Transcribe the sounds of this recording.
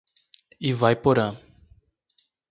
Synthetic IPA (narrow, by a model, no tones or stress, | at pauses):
ivajpoɾa